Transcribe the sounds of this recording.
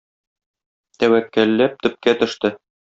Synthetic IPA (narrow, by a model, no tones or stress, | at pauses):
t̪æwækːælːæp̚t̪ɵ̆p̚kæt̪ɵ̆ʃt̪ɘ